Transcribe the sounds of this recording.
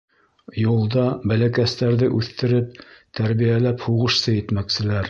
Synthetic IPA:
julˠd̪ɑbælækæst̪æɾðɘʔʉθt̪ːɘ̆ɾɘp̚t̪æɾβijælæphuʁɤ̆ʃsɤjɘ̆t̪mæksɘ̆læɾ

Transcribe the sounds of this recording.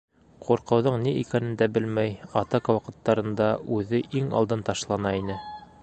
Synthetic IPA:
qʰuɾqɤ̆wðɤɴniʔikænɘ̆nd̪æbɘlmæjɑt̪ɑkɑwɑqɤ̆t̪ːɑɾɤ̆nd̪ɑʔʉðɘʔiŋɑ̰lˠd̪ɤnt̪ɑʃlˠɑnɑinɘ

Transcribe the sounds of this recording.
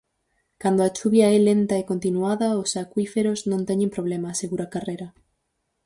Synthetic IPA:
kand̪oat͡ʃuβjaɛlent̪aekont̪inuaðaosakwifeɾoznõnt̪eɲẽmpɾoβ̞lemaseɣuɾakareɾa

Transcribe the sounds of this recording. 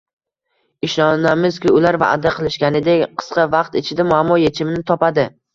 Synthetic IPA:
ɪʃɒnamɪz̥kʲɪʊlaɾva̰ʔad̪aqʰɨlˠɪʃkʲanɪd̪e̞kʲqʰɨ̥sqɑvɑqt̪ɪt͡ʃʰɪd̪amʊamːɒjet͡ʃʰɪmɪnɪt̪ʰɒpad̪ɪ

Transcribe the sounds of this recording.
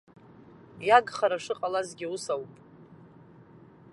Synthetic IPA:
jaɡχaɾaʂɨqʼalazɡʲɪusawpʼ

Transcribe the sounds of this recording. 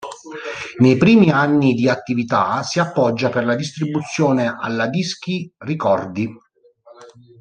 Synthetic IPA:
nejpɾiːmianːid̪iat̪ːivit̪asiapːɔd͡ʒːaperlad̪is̬t̪ɾibut̪sːjoːneʔa̰lːad̪isk̟irikɔrd̪i

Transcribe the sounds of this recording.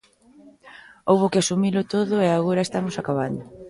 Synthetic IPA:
owβʊkeasumilʊt̪oðʊeaɣoɾɐest̪amosakaβand̪ʊ

